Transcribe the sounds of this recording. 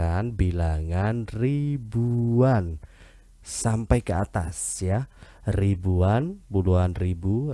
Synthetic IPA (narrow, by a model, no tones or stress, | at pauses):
anbilaŋanribuan | sampajkəat̪asja | ribuanpuluanribu